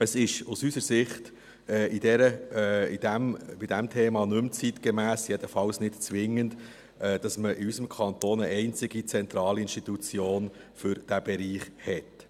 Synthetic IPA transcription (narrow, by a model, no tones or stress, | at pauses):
əsɪʃusysəsɪχt | ɛid̥ɛɾəid̥æmb̥id̥æmtʰɛːmɑnɵmt͡sit̪kemæːsjɛd̥̪əfɑlsnɪtt͡sʋɪŋːənd | ɛːd̥ɑsməʔiysəmkʰɑnt̪oːnəɛɪnt͡sɪɡit͡sɛnt̪ɾɑːliinʃtit̪ut͡sjoːnfʏɾd̥æb̥ɛɾiːχhɛt